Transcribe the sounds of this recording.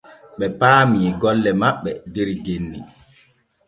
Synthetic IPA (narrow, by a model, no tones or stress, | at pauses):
ɓɛpaːmiɛɡɔlːɛmaɓːɛdeɾɡenːi